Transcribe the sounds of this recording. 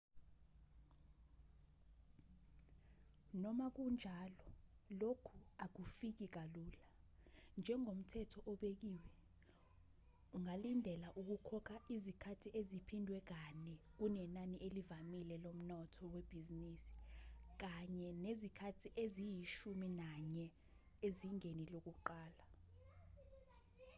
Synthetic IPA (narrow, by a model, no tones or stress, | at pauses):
nɔmak̬und͡ʒʱalɔlokʰuak̬ufik̬ik̬aluːland͡ʒʱɛŋom̩tʰɛtʰɔʔɔɓek̬iːwɛ | uŋalindʱɛlaʔuk̬ukʰɔkʰaʔizikʰatʰiʔezipʰindʱwɛk̬anɛk̬unɛnaniʔelivamilɛlom̩nɔtʰɔweb̥ʱizinisi̥k̬aɲɛnezikʰatʰiʔezijiʃuminaɲɛ | eziŋenilok̬uǃaːla